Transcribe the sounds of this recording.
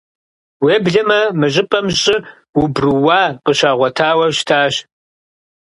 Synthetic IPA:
weːbɮɐmɐmɨʑʼɪpʼɐmɕʼɪ | ubrɨwaːqəɕaːʁʷɔtʰaːwɐɕtʰaːɕ

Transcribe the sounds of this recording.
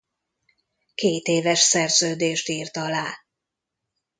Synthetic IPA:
keːt̪eːvɛʃsɛrzøːd̪eːʃt̪iːrt̪ɒlaː

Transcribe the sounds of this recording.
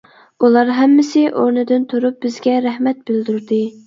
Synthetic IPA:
ulˠɑɾɦɛmːɪsɪʔoɾnɨd̪ɨnt̪ʰuɾup̚bɪzɡʲɛɾɛhmɛt̪̚bɪld̪yɾd̪ɨ

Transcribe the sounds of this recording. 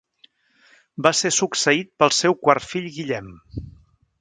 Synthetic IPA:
basesuksəit̪̚pəlˠsewkwarfiʎɣiʎɛm

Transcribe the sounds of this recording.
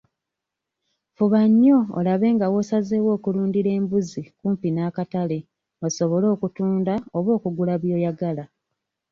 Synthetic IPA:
fuβaɲːo̞̰ːlaβe̞ːŋɡawo̞saze̞wo̞ːkuluːndiɾe̞ːmbuzikuːmpinaːkatale̞ | oso̞βo̞lo̞ːkutuːndaoβo̞ːkuɡulaβjo̞ːjaɡala

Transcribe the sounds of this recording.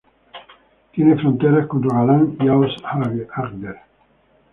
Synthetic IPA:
t̪jenefɾont̪eɾaskont̪ɾoɣalanjaoshaɡaɡd̪eɾ

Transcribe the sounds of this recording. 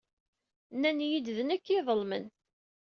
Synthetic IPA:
nænjid̪ðənækːiðˤəlmə̰n

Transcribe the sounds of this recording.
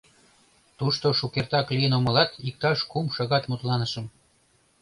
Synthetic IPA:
t̪uʃt̪oʃukert̪ɑklijənomɤlɑt̪ik̚t̪ɑʃkumʃɑɣɑt̪mut̪lɑnəʃə̆m

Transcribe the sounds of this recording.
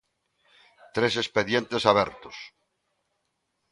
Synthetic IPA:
t̪ɾesespeðjent̪esaβeɾt̪os

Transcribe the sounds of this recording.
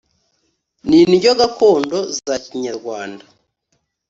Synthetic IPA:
niːniɟoɡako̞ːndo̞zaciɲaɾɡwaːnda

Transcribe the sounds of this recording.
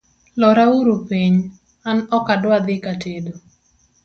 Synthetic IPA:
lɔɾauɾopiɲ | anɔkadwad̪ɪkatʰedo

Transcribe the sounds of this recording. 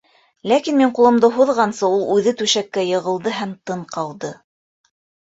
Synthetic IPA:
lækinmiɴqŭlˠɤ̆md̪ɤɦuðʁɑnsɤulˠʉðɘt̪ʉʃækːæjɤ̆ʁɤ̆lˠd̪ɤɦæmt̪ɤɴqɑlˠd̪ɤ

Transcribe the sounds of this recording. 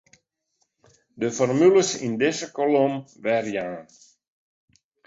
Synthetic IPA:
dəfɔrmyləsḭndɪzəkolomʋɛrjaːn

